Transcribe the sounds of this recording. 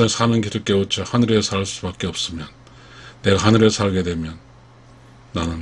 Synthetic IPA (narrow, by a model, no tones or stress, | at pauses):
ansʰamʌŋɡidɯk͈eot͡ɕʰahanɯɾesʰaɭs͈ubak͈eʌp̚s͈ɯmjʌnː | e̞ɡahanɯɾesʰaɭɡe̞dwe̞mjʌnː | anɯn